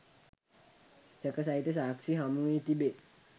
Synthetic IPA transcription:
səkəs̬ait̪əs̬aksiɦamuit̪ibe

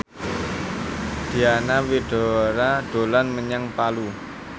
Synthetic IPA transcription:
d̪̥i̤anawiɖ̥ɔ̤ɾaɖ̥o̤lanməɲaŋpalu

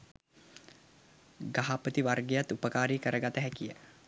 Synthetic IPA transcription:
ɡaɦapət̪iʋarɡejat̪ːupəkaːɾikəɾəɡat̪əɦækijə̰

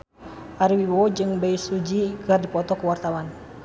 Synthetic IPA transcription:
ʔaɾwiwɔd͡ʒɨŋbɛjsud͡ʒikərdipɔt̪ɔkuwart̪awan

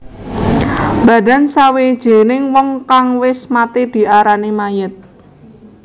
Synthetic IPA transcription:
b̥a̤da̤nsawed̥ʒ̥e̤nɪŋwɔŋkaŋwɪsmat̪ed̪̥i̤ʔaɾanimajɪt̪̚

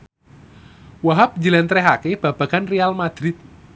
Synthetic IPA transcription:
waɦap̚d͡ʒilɛnt̪ɾɛɦakeb̥a̤b̥a̤ɡ̥anrealmad̪̥ɾɪt̪̚

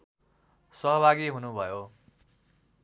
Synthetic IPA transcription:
sʌɦʌbʱaɡiɦunubʱʌjo

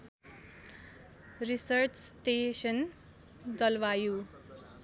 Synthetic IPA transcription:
risʌrt͡ssʈesʌn | dʌlwaju

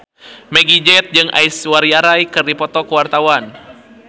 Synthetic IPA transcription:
meɡid͡ʒɛt̪̚d͡ʒɨŋʔa̰jswaɾiaɾajkɨrdipɔt̪ɔkəwart̪awan

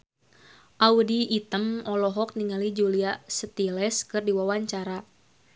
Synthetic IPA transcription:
ʔaudiːt̪əmɔlɔɦɔk̚niŋalid͡ʒuliasət̪ilɛskɨrdiwawaɲt͡ʃaɾa

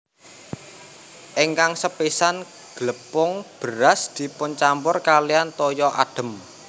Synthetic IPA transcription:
ʔiŋkaŋsəpisan | ɡ̥ləpʊŋb̥əɾasd̪̥i̤pʊnt͡ʃampʊrkalijant̪ɔjɔʔa̰d̥ə̤m

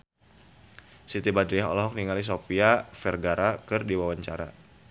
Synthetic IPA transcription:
sit̪ibadɾiaɦɔ̰lɔɦɔk̚niŋalis̬opiafɛrɡaɾakɨrdiwawaɲt͡ʃaɾa̰

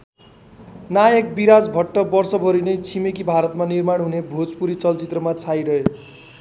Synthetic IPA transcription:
najʌkbiɾad͡zbʱʌʈːʌbʌrsʌbʱʌɾinʌjt͡sʰimekibʱaɾʌt̪manirmaɽ̃ɦunebʱod͡zpuɾit͡sʌlt͡sit̪rʌmat͡sʰajɾʌɦe

